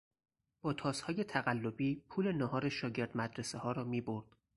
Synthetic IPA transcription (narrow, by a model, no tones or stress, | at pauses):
b̥ɒːt̪ʰɒːzhɒːje̞t̪ʰæɣælːobiːpʰuːle̞nɒɦɒːɾeʃɒːɟe̞ɾd̪mæd̪ɾesehɒːɾɒːmiːboɾd̪̥